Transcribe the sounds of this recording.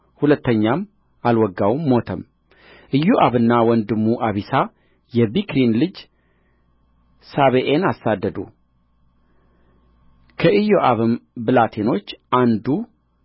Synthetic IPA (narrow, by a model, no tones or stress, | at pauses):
hulət̪ːəɲːam | alwɔɡːawmːo̞t̪ʰəm | ʔɨjoʔaβɨnːawɔnd̪ɨmːuʔaβisa | jɛbikɾinlɨd͡ʒ | saβeʔenasːad̪ːəd̪u | kʰəʔɨjoʔaβɨmbɨlat̪ʰeno̞t͡ʃːʔand̪u